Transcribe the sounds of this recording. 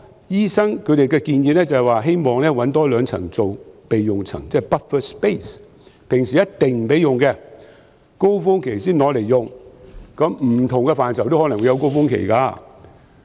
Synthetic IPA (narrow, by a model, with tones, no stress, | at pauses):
jiː˥sɐ˥ŋkʰɵ˨˧ɥɾe˨jkɛː˧kiː˧njiː˨˧t̚nɛː˥t͡sɐ˨waː˨ɦe˥jmɔː˨ŋlɛː˥wɐ˨˥nt̪ɔː˥lœː˨˧ŋt͡sʰɐ̰˨˩ŋt͡so˨wpe˨jːʊ˨ŋt͡sʰɐ̰˨˩ŋt͡sɛː˥˩pɐ˥t̚fə˥˩spe˥s | pʰɪ˨˩ŋsiː˨˩jɐ˥tt̪ɪ˨ŋm̩˨˩pe˨˥jʊ˨ŋkɛ˧ | ko˥wfʊ˥ŋkʰe˨˩jsiː˥nlɔː˨˧˥le˨˩jːʊ˨ŋkɐ˨˥mm̩˨˩t̪ʰʊ˨˩ŋkɛ˧faː˨˩nsʰɐ˨wt̪whɔː˨˥nɐ˨˩ŋwu˧jɐ˨˧wko˥wfʊ˥ŋkʰḛ˨˩jkaː˧